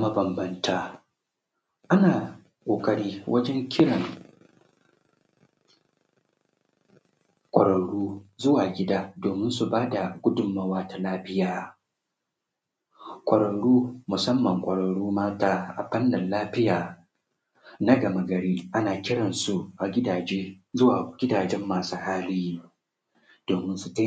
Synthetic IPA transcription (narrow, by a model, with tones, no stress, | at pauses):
ma˦bɐ˨mbɐ˦ntaː˦ | ʔa˦naː˨ | kʷʼoː˨kʼɐ˦ɽiː˦wʔɐ˦d͡ʒɛ˦ŋkʲɪ˦ɽɐ˨ŋ | kʷʼɐ˨ɽɐ˨ɽuː˦zʊ˦waː˨ɡʲɪ˦daː˦doː˨mɪ˦nsu˨baː˦da˨ɡʷʊ˦dʊ˨mːa˦waː˦ta˨laː˦ɸɪ˦jaː˨˦ | kʷʼɐ˨ɽɐ˨ɽuː˦mʊ˨sɐ˦mːɐ˨ŋkʷʼɐ˨ɽɐ˨ɽuː˦maː˦taː˦ʔa̰˨ɸɐ˦nːɐ˨nlaː˦ɸɪ˦jaː˨ | na˦ɡɐ˨mɐ˨ɡɐ˨ɽiː˦ʔa˦naː˨kʲɪ˦ɽɐ˨nsu˨ʔa˨ɡʲɪ˦daː˨d͡ʒeː˦zʊ˦waː˨ɡʲɪ˦daː˨d͡ʒɛ˦mːaː˨suː˦haː˦liː˦ | d̥oː˨mɪ˦nsu˨ta˦